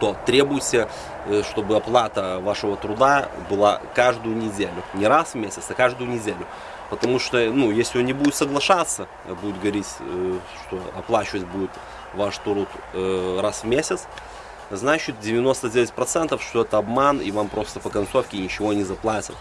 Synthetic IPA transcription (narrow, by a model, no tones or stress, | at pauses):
t̪ot̪ɾʲebʊjɪtʲɪ | ʂt̪o̞bɨɐplˠat̪əvaʂɨvət̪ɾʊd̪abɨlˠa̰kaʐd̪ʊjʊnʲɪdʲelʲʊnʲɪɾasvmʲesʲɪt̪sɐkaʐd̪ʊjʊnʲɪdʲelʲʊ | pət̪ɐmuʂt̪onujesʲlʲɪonʲɪbudʲɪt̪səɡlˠɐʂat̪sːə̰ | budʲɪt̪ɡəvəɾʲitʲ | ʂt̪o̞ɐplˠat͡ɕɪvətʲbudʲɪt̪ | vaʂt̪ɾut̪ | rasvmʲesʲɪt̪s | znat͡ɕɪt̪̚dʲɪvʲɪno̞st̪ədʲevʲɪtʲpɾɐt̪sɛnt̪əfʂt̪oɛt̪əɐbmanḭvampɾo̞st̪əpəkɐnso̞fkʲɪnʲɪt͡ɕɪvo̞nʲɪzɐplˠatʲɪt̪